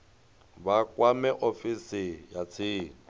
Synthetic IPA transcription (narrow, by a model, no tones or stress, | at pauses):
bakʼwamɛʔofisɪjat͡sʰiː